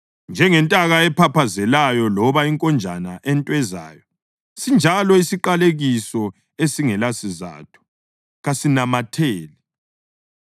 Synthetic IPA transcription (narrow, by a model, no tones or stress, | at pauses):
nd͡ʒʱɛŋɛntʼaɣaɛpʰapʰazɛlajɔlɔβaiŋkʼɔnd͡ʒʱa̰naʔɛntʼwɛza̰ːjɔ | sind͡ʒʱalɔisiǃaleɣisɔ | esiŋɛlasiza̰ːtʰu̥ | ɣasinamatʰeːlɛ